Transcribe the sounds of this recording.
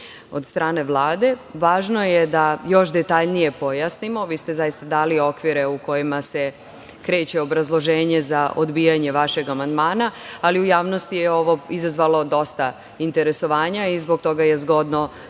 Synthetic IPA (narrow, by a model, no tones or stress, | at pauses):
o̞d̪st̪ɾaːne̞ʋlˠaːd̪e̞ʋaːʒno̞jed̪ajo̞ʃd̪et̪aʎnije̞po̞jasnimo̞ʋiːst̪ezajist̪ad̪aːlio̞kʋiɾe̞uko̞jimase̞ | kɾe̞ːt͡ɕe̞o̞bɾazlˠo̞ʒeːɲe̞zaʔod̪bijaɲe̞ʋaʃe̞ɡamand̪maːnaaliujaːʋno̞st̪ijeo̞ʋo̞izazʋalo̞d̪o̞st̪a | int̪e̞ɾe̞so̞ʋaːɲaizbo̞ɡ̚t̪o̞ɡaje̞zɡo̞d̪no̞